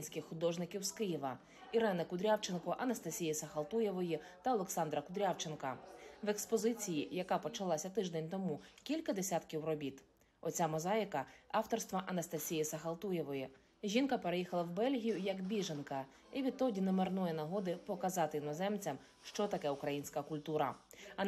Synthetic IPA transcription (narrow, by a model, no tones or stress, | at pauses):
nʲsʲkɪxxʊd̪ɔʒnɪkʲiwskɪjiʋɐ | iɾɛnɪkʊd̪ɾʲawt͡ʃenkɔʔɐnɐst̪ɐsʲijisɐxɐlˠt̪ujɛʋɔji | t̪ɐɔlˠeksɑnd̪ɾɐkʊd̪ɾʲawt͡ʃenkɐʋe̞kspɔzɪt͡sʲijijɐkɑpɔt͡ʃɐlˠɑsʲɐt̪ɪʒd̪ɛnʲt̪ɔmukʲilʲkɐd̪esʲat̪kʲiwrɔbʲit̪ | ɔt͡sʲamɔzɑjkɐɑwt̪ɔrst̪ʋɐʔɐnɐst̪ɐsʲijisɐxɐlˠt̪ujɛʋɔji | ʒʲinkɐpeɾejixɐlˠɐwbɛlʲɦʲijʊjɐkbʲiʒenkɐ | iʋʲid̪̚t̪ɔdʲinemernɔjɛnɐɦɔd̪ɪpɔkɐzɑt̪ɪinɔzɛmt͡sʲɐm | ʃt͡ʃɔt̪ɐkɛʊkɾɐjinʲsʲkɐkʊlʲt̪uɾɐ